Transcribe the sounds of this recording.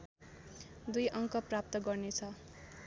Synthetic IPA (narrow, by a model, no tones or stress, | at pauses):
d̪ujʔʌŋkʌprap̚t̪ʌɡʌrnet͡sʰʌ